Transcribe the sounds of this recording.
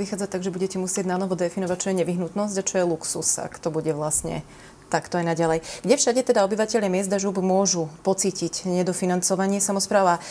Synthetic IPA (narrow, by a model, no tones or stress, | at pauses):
ʋixaːd͡zac̚t̪aɡʒɛbuɟɛcɛmusɪɛɟnanɔʋɔd̪ɛfinɔʋac̚t͡ʃɔjɛɲɛʋiɦnut̪nɔzɟat͡ʃɔjɛluksṵsa̰kt̪ɔbuɟɛʋlastɲɛ̰ | t̪akt̪ɔajnaɟalɛjɡ̥ɟɛfʃaɟɛt̪ɛd̪aɔbiʋacɛʎamɪɛzd̪aʒubmʊɔʒupɔt͡siːcicɲɛd̪ɔfinant͡sɔʋaɲɪɛsamɔspɾaːʊa